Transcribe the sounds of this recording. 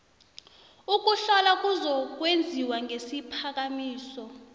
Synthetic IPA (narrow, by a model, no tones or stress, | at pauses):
uk̬uɬalak̬ʼuzɔk̬wend͡zʱiwaŋʱesipʰak̬amiːsɔ